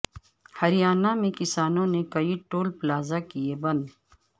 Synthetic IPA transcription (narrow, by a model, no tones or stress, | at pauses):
hɐɾijaːnamẽkɪsaːnõnekɐiʈoːlplaːzakijebɐ̃nd̪